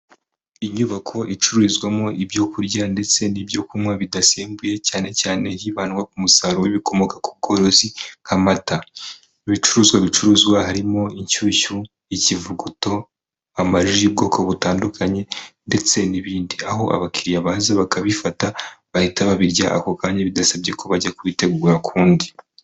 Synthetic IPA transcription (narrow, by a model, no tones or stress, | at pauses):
iɲuβakʰo̞ʔit͡ʃuɾuzɡwamo̞ʔibjo̞kuɾɟande̞t͡se̞nibjo̞kumwaβidaseːmbuje̞caːne̞caːne̞hiβanwak̚umusaɾoiβiko̞mo̞kḁkub̚ɡo̞ːɾo̞zihamata | iβit͡ʃuɾuːzɡwaβit͡ʃuɾuːzɡwahaɾimo̞iɲcuːcu | icivuɡuto̞ | amaʒib̚ɡo̞ːkʰo̞βutaːndukʰaɲe̞nde̞t͡se̞niβiːndiaɦo̞ʔa̰βakʰiɾijaβaːzaβakaβifataβahitaβaβiɾɟaʔakokaːɲaβidasabɟe̞kʰoβaɟakuite̞ɡuːɾakʰuːndi